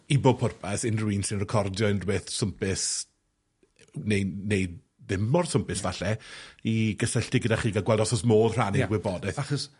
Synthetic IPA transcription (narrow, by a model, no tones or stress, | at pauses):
ibopʰʊrpʰasɪnrwiːnsinrəkʰɔrdjɔɪnrwɪθsʊmpɪs | nejnej | ðɪmɔrsʊmpɨsvaɬɛiɡəsɛɬtɪɡədaχiːɡaɡwɛlˠdɔsɔsmoːðr̥anɡwɪbɔdɛθaχɔs